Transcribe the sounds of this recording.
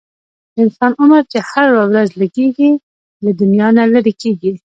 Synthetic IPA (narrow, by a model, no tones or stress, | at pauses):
ɪnsɑnʊməɾt͡ʃehaɾwawɾazləɡeɡi | lad̪ʊnjɑnaləɾikeɡi